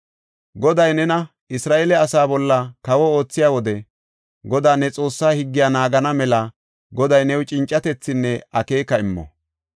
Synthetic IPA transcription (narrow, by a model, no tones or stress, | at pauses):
ɡɔd̪ɐjnɛnɐ | ɪsɾaːʔeːlɛɐsaːbɔlːɐkɐwɔo̞ːt͡sːɪjaːwɔd̪ɛ | ɡɔd̪aːnɛt͡sʼo̞ːsːaːhɪɡːɪjaːnaːɡɐnɐmɛlɐ | ɡɔd̪ɐjnɛwt͡ʃʼɪnt͡ʃʼːɐt̪ɛt͡sːɪnːɛɐke̞ːkɐɪmːɔ̰